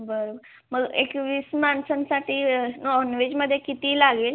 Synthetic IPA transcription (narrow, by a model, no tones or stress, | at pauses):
bəɾob | məɡḛkʋismansənsaʈʰiːnɔnʋed͡ʑməd̪ʱːjekit̪iːlaɡeːl